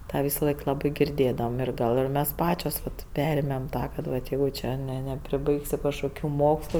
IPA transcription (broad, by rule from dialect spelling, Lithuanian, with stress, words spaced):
ˈtɑː ˈʋʲɪsɐˌlˠɐɪk ˈlˠɑːbɐɪ ɡʲɪrʲˈdʲeːdɐʋoːm ˈɪr ˈɡɐlˠ ɪr mʲɛs ˈpɑːt͡ʃʲoːs ʋɐt ˈpʲæːrʲeːmʲeːm ˈtɑː kɐt ˈʋɐt ˈjɛɪɡʊ ˈt͡ʃʲɛ ˈnʲɛ nʲɛpʲrʲɪˈbɐɪksʲɪ kɐʃkoːˈkʲuː ˈmoːkslˠʊ